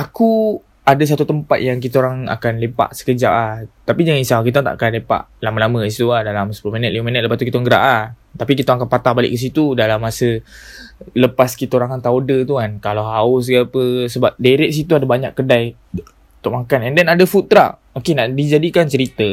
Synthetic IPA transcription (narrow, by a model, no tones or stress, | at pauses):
ʔaku | adas̬at̪ut̪əmpat̪̚jaŋk̬it̪aoɾaŋa̰kanlepa̰ʔsə̥kəd͡ʒa̰ʔlaht̪apid͡ʒaŋisakit̪ant̪a̰ʔa̰kanlepa̰ʔlamalamə̃is̬it̪ulahdalamsəpulominət̪̚livəminət̪̚ləpast̪ukit̪aŋɡəɾa̰ʔlaht̪apikit̪aaŋakanpat̪ahbalɪ̰ʔkəs̬it̪udalamːasə | ləpaskit̪aoɾãŋkant̪aodət̪̬ukankalaɦaʊs̬ɡaapəsəbap̚deɾɛʔ̚s̬it̪uadabaɲa̰ʔkːədaj | uut̪ʊʔ̚makanɛndɛnadafut̪̚ːɾa̰ʔ | okenaʔdid͡ʒadikant͡ʃəɾit̪ə